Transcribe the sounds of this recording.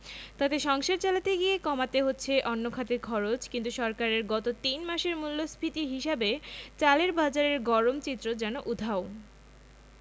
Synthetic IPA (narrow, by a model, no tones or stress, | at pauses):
t̪at̪eʃɔŋʃeɾt͡ɕalat̪eɡiekɔmat̪eɦotːɕʰeʔɔnːokʰat̪eɾkʰɔɾot͡ɕkint̪uʃɔɾkaɾeɾɡɔt̪ot̪inmaʃeɾmulːospʰit̪iɦiʃabet͡ɕaleɾbad͡ʑaɾeɾɡɔɾomt͡ɕit̪ːɾod͡ʑɛnoʔud̪ʱao